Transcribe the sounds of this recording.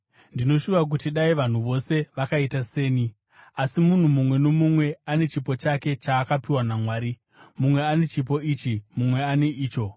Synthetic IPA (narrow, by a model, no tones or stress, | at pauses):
ndino̞ʃuʋak̬utiɗaiʋan̤uʋo̞se̞ʋakaitase̞ːni | asimun̤umumwe̞no̞mumwe̞ane̞t͡ʃipo̞t͡ʃake̞t͡ʃaːkapiwanamwaːɾi | mumwe̞ane̞t͡ʃip̬o̞it͡ʃimumwe̞ane̞ʔiːt͡ʃo̞